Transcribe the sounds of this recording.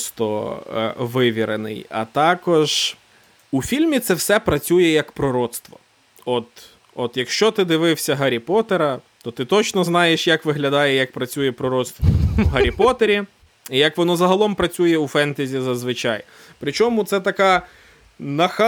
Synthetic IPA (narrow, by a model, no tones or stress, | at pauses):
st̪ɔ̰ | ʋɪʋʲiɾenɪ̰jɐ̰t̪ɑkɔʒ | ufʲilʲmʲit̪sɛwsɛpɾɐt͡sʲujɛjɐkpɾɔɾɔt̪st̪ʋɔ | ɔt̪ | ɔt̪jɐkʃt͡ʃɔt̪ɪd̪ɪʋɪwsʲɐɦɐɾʲipɔt̪eɾɐt̪ɔt̪ɪt̪ɔt͡ʃnɔznɑjeʃjɐkʋɪɦlʲɐd̪ɑjɛjɐk̚pɾɐt͡sʲujɛpɾɔɾɔt̪st̪ʋɔɦɐɾʲipɔt̪eɾʲi | ijɐkʋɔnɔzɐɦɐlˠɔmpɾɐt͡sʲujɛufɛnt̪ezʲizɐzʋɪt͡ʃɑj | pɾɪt͡ʃɔmʊt̪sɛt̪ɐkɑ | nɐx